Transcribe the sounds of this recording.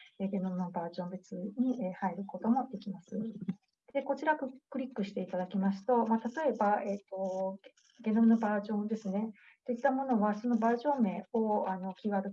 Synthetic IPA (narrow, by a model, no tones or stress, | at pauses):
e̞ɡe̞no̞mɯ̟nobaːʑõ̞mbe̞t͡sɨɲ̟iʔehaeɾɯ̟ko̞t̪o̞mo̞d̪e̞kʲimasɨ | d̪̥e̞ko̞t͡ɕiɾakɯkɯ̟ɾʲikːɯ̟ɕi̥t̪e̞it̪ad̪akʲimasɨ̥t̪o̞mat̪at̪o̞e̞bae̞ːt̪o̞ | ɡe̞no̞mɯno̞baːʑõ̞nd̪e̞sɨne̞ | t̪o̞it̪ːamo̞no̞βaso̞no̞baːʑõ̞me̞ːoano̞kʲiːβaːd̪o̞